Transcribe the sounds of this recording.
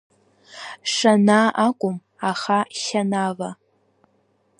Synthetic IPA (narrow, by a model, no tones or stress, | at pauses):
ʂanaʔakʷʼʊm | aχaʃanava